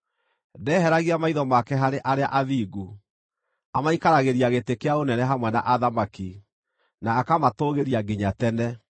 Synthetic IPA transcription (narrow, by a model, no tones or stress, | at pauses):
dɛːɦɛɾaɣiamaiðɔmakɛɦaɾeʔaɾea̰ʔaðiːɡu | amaikaɾaɣeɾiaɣetekeaonɛnɛɦamwɛna̰ʔaðamaki | naːkamatoɣeɾiaɡiɲatɛnɛ